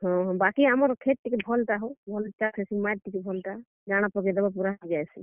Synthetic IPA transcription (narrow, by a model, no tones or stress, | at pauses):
ɦɔ̃ɦɔ̃bakiamɔɾkʰeʈ̚ʈːikebʱɔlʈaɦubʱɔlt͡ʃakʰɛsimaʈ̚ʈikebʱɔlʈa | ɡaɽ̃apɔɡɛd̪ɛbap̬uɾaɦd͡ʒajsḭ